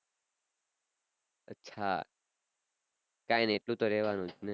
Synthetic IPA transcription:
ətːʃʰa̰ | kãjneeʈlũt̪oɾɛʋanũt͡ʃʰnɛ

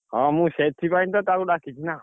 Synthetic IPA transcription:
ɦãmũʃet̪ʰːipaint̪ɔt̪aɾuɖakʰit͡ʃʰina

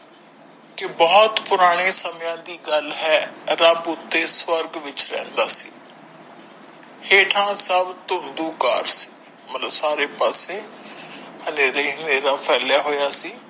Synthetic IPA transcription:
kɪbɔːt̪pʊɾaːɽ̃eːsəmjãːd̪iːɡəlɦɛːɾəbʊt̪ːeːswəɾɡʋɪt͡ʃɾɛ̰̃ːnd̪aːsiː | heːʈʰãːsəbt̪ʊnd̪uːka̰ːɾsi̥ː | mət̪ləbsaːɾeːpaːseː | həneːɾaiːɦəneːɾaːpʰɛːljaːɦoːjaːsiː

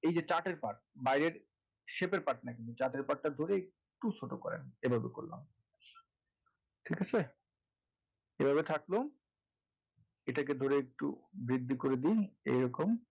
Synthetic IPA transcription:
ejd͡ʑet͡ɕaʈeɾpaʈ̚ | bajɾeɾ | ʃepeɾpaʈ̚nakinut͡ɕaʈeɾpaʈːaɾd̪ʱoɾeek | ʈut͡ɕʰoʈokɔɾḛnebʱabeko̰ɾla̰m | ʈʰikat͡ɕʰe | ebʱabet̪ʰaklo | eʈak̬ed̪ʱoɾeek̚ʈṵbɾid̪ʱːikoɾed̪ijḛjɾɔkom

